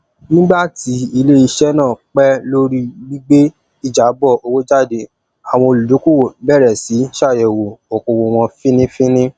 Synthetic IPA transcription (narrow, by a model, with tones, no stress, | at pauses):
nĩ˦ɡ͡ba˦˨ti˨˦i˧le˦i˧ʃɛ˦nãː˦˨k͡pɛ˦lo˦ɾi˦bi˦ɡ͡be˦ | i˨d͡ʒa˨˦bɔ˦˨o˧wo˦d͡ʒa˦˨de˨ | a˨w̃ɔ̃˧o˧lu˨lo˨˦ku˦˨wo˨bɛ˦˨ɾɛ˨si˨˦ʃa˦˨jɛ˨wo˨o˨ko˨wo˧w̃ɔ̃˧fĩ˦nĩ˦fĩ˦nĩ˦